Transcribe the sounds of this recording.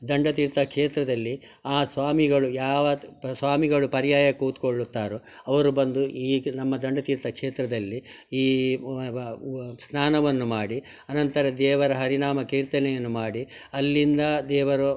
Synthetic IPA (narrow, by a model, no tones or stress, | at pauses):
d̪ɐɳɖɐt̪iːɾt̪ɐkʂeːt̪ɾɐd̪ɐlːi | aːsʋaːmiɡɐɭujaːʋɐsʋaːmiɡɐɭupɐɾijaːjɐkuːt̪koɭːut̪ːaːɾu | ɐʋɐɾubɐnd̪uʔiːnɐmːɐd̪ɐɳɖɐt̪iːɾt̪ɐkʂeːt̪ɾɐd̪ɐlːi | iː | snaːnɐʋɐnːumaːɽi | ɐnɐnt̪ɐɾɐd̪ɛːʋɐɾɐɦɐɾinaːmɐkiːɾt̪ɐnɛjɐnːumaːɽi | ɐlːind̪ɐd̪ɛːʋɐɾu